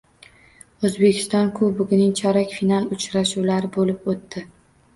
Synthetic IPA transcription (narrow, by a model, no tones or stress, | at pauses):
ɵzbekʲɪ̥st̪ɒnkʰobʊɡʲɪnɪŋt͡ʃʰaɾakʲfinalˠʊt͡ʃɾaʃuwlaɾɪbolɪpot̪ːɪ